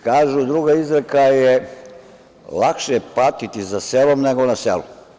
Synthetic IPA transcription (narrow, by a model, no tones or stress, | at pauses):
kaːʒud̪ɾuːɡaizɾekaje | lakʃepat̪it̪isaselomneɡonasḛlṵ